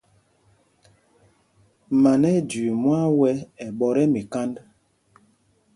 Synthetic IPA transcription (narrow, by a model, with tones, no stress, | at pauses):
ma˨nɛ˦d͡ʒi˨mwa˦wɛ˦ɛ˨ɓɔ˨ɾɛ˦mi˨ka˦nd